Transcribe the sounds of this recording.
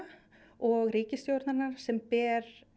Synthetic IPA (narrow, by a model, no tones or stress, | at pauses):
ɔɣɾiːcɪst̪jowɾt̪naɾnaɾ̥sɛmpɛːɾ̥